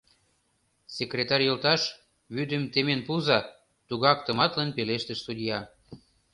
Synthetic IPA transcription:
sekrʲet̪ɑrʲjɤlt̪ɑʃ | βyd̪ə̆mt̪emenpuzɑ | t̪uɣɑkt̪ə̆mɑt̪lənpeleʃt̪ə̆ʃsud̪ʲjɑ

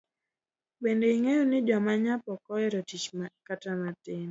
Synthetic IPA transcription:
bendeiŋejonɪd͡ʒɔmaɲapɔkɔɛɾɔtit͡ʃmakatamatɪn

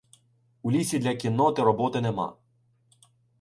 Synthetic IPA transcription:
ulʲisʲid̪lʲɐkʲinːɔt̪ɪɾɔbɔt̪ɪnemɑ̰

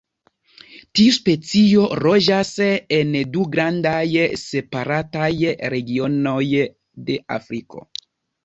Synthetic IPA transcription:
tiuspe̞t͡sio̞ɾo̞d͡ʒase̞nduɡɾandajse̞paɾatajɾe̞ɡio̞no̞j | de̞a̰fɾiko̞̰

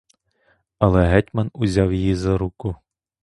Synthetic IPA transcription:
ɐlˠɛɦɛtʲmɐnʊzʲawjijizɐɾukʊ

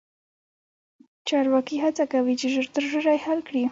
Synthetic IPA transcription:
t͡ʃɑɾwakiɦat͡sakawit͡ʃɪʒəɾt̪əɾʒəɾajhalkɽi

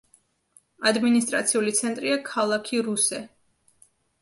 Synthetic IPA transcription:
ad̪minist̪ʼɾa̰t̪sʰiulit̪sʰɛnt̪ʼɾiakʰalˠakʰiɾusɛ

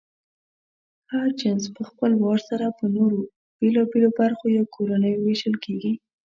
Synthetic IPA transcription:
haɾt͡ʃanzpəxpəlwɑɽsaɾapənoɾo | b̥elɑbelobaɾxojawkʰoɾanəjweʃəlkeɡi

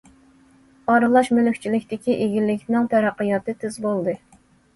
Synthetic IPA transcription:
ɑɾɨlˠɑʃmølkʲt͡ʃʰilɪkʲt̪ɪkʲiʔeɡʲilːɪkʲnɪŋt̪ʰæɾæqːɨjɑt̪ɨt̪ʰɪzbolˠd̪ɨ

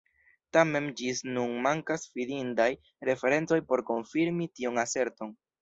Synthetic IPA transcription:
tame̞md͡ʒisnunmaŋkasfidindaj | ɾe̞fe̞ɾe̞nt͡so̞jpo̞ɾko̞nfiɾmitionase̞ɾto̞n

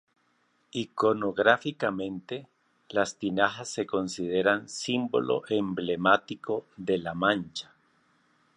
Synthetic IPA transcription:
ikonoɣɾafikamẽ̞nt̪e | last̪inaxasːe̞ko̞nsið̞eɾansimbo̞̰lo̞̰ʔemblemat̪iko̞ðe̞lamãnt͡ʃḁ

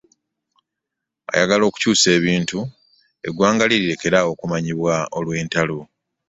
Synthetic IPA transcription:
a̰jaɡalo̞ːku̥cuːse̞ːβiːntu | e̞̰ɡwaːŋɡaliɾiɾe̞ke̞ɾawo̞ːkumaɲiβwao̞lwe̞ːntalo

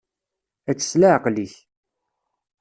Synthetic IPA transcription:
æt͡sːə̥slaʕqliç

